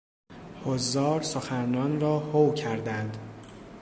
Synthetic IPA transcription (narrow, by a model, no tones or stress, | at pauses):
hozːɒːɾsoxænːɒːnɾɒːhowcʰæɾd̪ænd̪